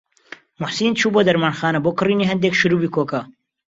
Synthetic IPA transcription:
mʊħsiːnt͡ʃʰuːboːd̪ɐɾmaːnxaːnɐboːkɨriːniːɦɐnd̪eːkʃɨɾuːbiːkʰoːkɐ

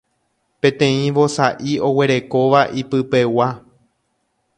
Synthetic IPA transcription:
pẽ̞t̪ẽ̞ĩʋo̞saʔio̞we̞ɾe̞ko̞ʋaʔipɨpe̞wa

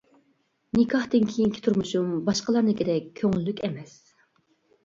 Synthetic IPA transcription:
nɪkʰɑht̪ɨnkʲʰijiŋkʰʲi̥t̪ʰuɾmuʃumbɑʃqəlˠɑɾnɨkʲed̪ɛkʲʰːøŋɪlːykʲɛmɛs

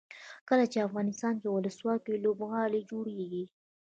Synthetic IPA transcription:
kəlat͡ʃeafɣɑnɪst̪ɑnk̪ewʊləswɑt̪ilobɣɑled͡ʒoɽeɡi

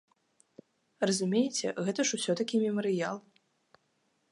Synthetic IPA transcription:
rɐzumʲejɛt͡sʲɛɣɛt̪ɐʂusʲɔt̪ɐkʲimʲɛmɐɾɨjalˠ

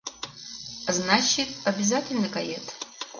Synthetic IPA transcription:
znat͡ʃitʼabʲizatʲʰʼɪlʲnɨkʼajetʰʼ

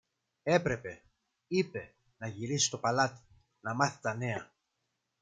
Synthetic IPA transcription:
e̞pɾe̞pe̞ | ipe̞ | nɐʝiɾisi̥st̪o̞pɐlɐt̪i̥ | nɐmɐθi̥t̪ɐne̞ɐ

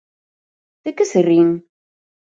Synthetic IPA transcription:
θækːæsərːin

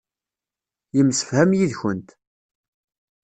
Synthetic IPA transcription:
jəmsə̥fhæmjiðçənt̪

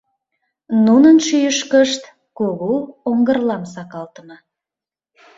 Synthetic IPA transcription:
nunənʃyjəʃkəʃt̪ | koɣooŋɡərlɑmsɑkɑlt̪əmɤ

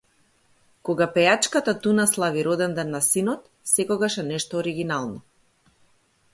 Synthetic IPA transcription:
kɔɡapɛjat͡ʃkat̪at̪unaslˠaviɾɔd̪ɛnd̪ɛnːasinɔt̪ | sɛkɔɡaʃɛnɛʃt̪ɔːɾiɡinalˠnɔ

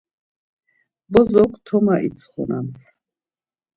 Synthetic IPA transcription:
bɔzɔkʰt̪ʰɔmaʔit̪t͡sʰχɔ̰nams

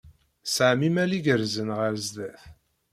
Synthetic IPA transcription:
saʕmimæliɡəɾzənʁəɾzd̪æθ

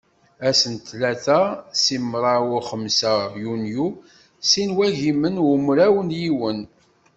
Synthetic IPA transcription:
æsənt̪læθæsimːɾˤɑwʊχəmsæjunju | sinwæʝimənʊmɾæwənjiwən

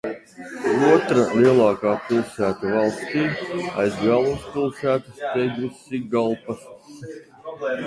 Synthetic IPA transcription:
uɔt̪ɾalʲˠiɛlˠɑːkaːpʲilˠsæːt̪uvɑlˠst̪iːa̰jzɡæːlˠumspʲilˠsæːt̪ast̪ɛjd̪usiɡalˠpas

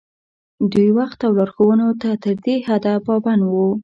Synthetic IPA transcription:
d̪ujwaxt̪awlɑɾxowənot̪at̪əɾd̪ehad̪apɑbanwu

